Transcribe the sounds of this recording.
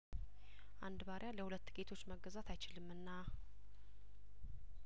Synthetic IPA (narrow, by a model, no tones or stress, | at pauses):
ʔand̪baɾʔjaləhulət̪ːɡe̞t̪ʰo̞t͡ʃːməɡːəzat̪ʰajt͡ʃɪlɨmːɨnːa